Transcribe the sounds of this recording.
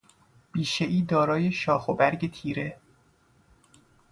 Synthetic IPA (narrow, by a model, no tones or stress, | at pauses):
b̥iːʃeʔiːd̪ɒːɾɒːje̞ʃɒːxobæɾɟe̞t̪ʰiːɾe